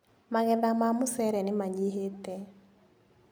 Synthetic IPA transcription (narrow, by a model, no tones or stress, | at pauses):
maɣɛðamamʊsɛɾɛnɪmaɲiɦetɛ